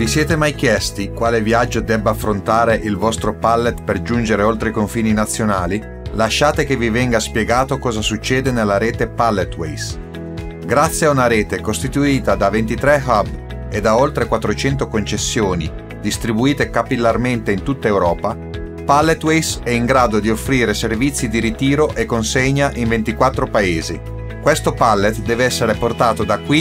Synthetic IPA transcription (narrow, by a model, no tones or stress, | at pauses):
visjɛːt̪emajk̟jɛst̪ikwaːlevjad͡ʒːod̪ɛbːafːɾont̪aːɾeʔilvɔst̪ɾopalːet̪perd͡ʒund͡ʒeɾeolt̪ɾeikoɱfiːninat̪sːjonaːli | laʃːaːt̪ekevivɛŋɡaspjeɡaːt̪okɔːzasut͡ʃːɛːd̪enelːaɾɛːt̪epalːet̪wɛ̰js | ɡɾat̪sːjeaunaɾeːt̪ekost̪it̪uiːt̪ad̪avent̪it̪ɾɛxab | ed̪aolt̪ɾekwat̪ːɾot͡ʃɛnt̪okont͡ʃesːjoːni | d̪ist̪ɾibuiːt̪ekapilːarment̪eint̪ut̪ːaewɾɔːpa | palːet̪wejsɛiŋɡɾaːd̪od̪iofːɾiːɾeservit̪sːid̪iɾit̪iːɾoʔekːonseɲːaʔiɱvent̪ikwat̪ːɾopaeːzi | kwest̪opalːet̪d̪ɛːveɛsːeɾeport̪aːt̪od̪akwi